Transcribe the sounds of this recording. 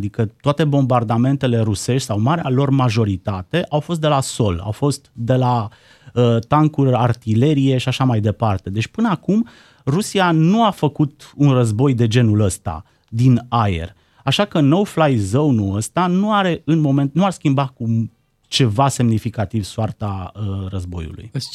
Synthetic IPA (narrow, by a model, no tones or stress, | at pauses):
d̪ikət̪oat̪e̞bo̞mbard̪ame̞nt̪e̞le̞ɾuse̞ʃt̪ʲsawmaɾealo̞rmaʒo̞ɾit̪at̪e̞ʔawfo̞s̬t̪d̪e̞laso̞la̰wfo̞st̪d̪e̞la | ət̪aŋkulart̪ile̞ɾije̞ʃiaʃamajd̪e̞part̪e̞d̪e̞t͡ʃʲpɨnəakum | rusianuafəkut̪unrəzbo̞jd̪e̞d͡ʒe̞nuləst̪a̰ | d̪inaḛr | aʃakənowflajzownuəst̪anuaɾe̞ɨnmo̞me̞nt̪nuarskʲimbaku | t͡ʃe̞vase̞mnifikat̪ivsoart̪aərəzbo̞̰jṵlṵj